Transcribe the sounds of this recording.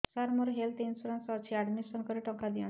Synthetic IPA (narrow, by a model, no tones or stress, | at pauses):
saɾmoɾɦelt̪insɔɾansɔt͡ʃʰiaɽmisɔŋkɔɾeʈɔkad̪iɔ̃